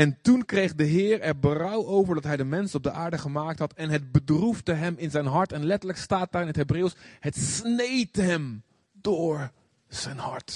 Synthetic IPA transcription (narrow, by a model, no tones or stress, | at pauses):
ɛntunkrejχdəɦɪːrɛɹbərʌwowvəɹdɑtɦɛjdəmɛnsɔb̚dəʔaːɹdəχəmaːk̚tɦɑtɛnɦəd̚bədruvdəɦɛmɪnzɛjnɦɑɹtɛnlɛtəɹləkstaːt̚daːɾɪnɦətɦejbreːwshətsnejtɦɛm | dʊːɹ | z̥ɛjnhɑ̰ɹt